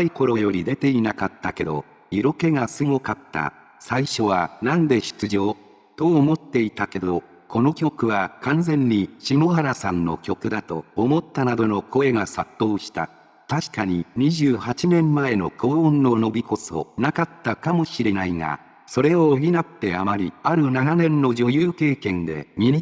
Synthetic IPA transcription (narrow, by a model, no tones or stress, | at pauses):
aiko̞ɾo̞jo̞ɾʲid̪e̞t̪e̞inakat̪ːake̞d̪o̞̰ | iɾo̞ke̞ɡasɨŋokat̪ːa̰ | saiɕo̞β̞anãnd̪e̞ɕɨ̥t͡sɨʑo̞ː | t̪o̞ːmo̞t̪ːe̞it̪ake̞d̪o̞ | ko̞no̞kʲo̞kɯ̟βakãnzẽ̞ɲ̟ːiɕimo̞haɾasãnːo̞̰kʲo̞kɯ̟d̪at̪o̞̰ːmo̞t̪ːanad̪o̞no̞ko̞e̞ɡasat̪ːo̞ːɕi̥t̪a̰ | t̪aɕi̥kaɲ̟iɲ̟iʑɨːhat͡ɕinẽ̞mːae̞no̞̰kõːnːo̞no̞bʲiko̞so̞̰nakat̪ːakamo̞ɕiɾe̞naiŋa̰ | so̞ɾe̞oːɡʲinat̪ːe̞amaɾʲiaɾɯ̟nananẽ̞nːo̞d͡ʑo̞jɯːke̞ːkẽ̞nd̪e̞̰mʲii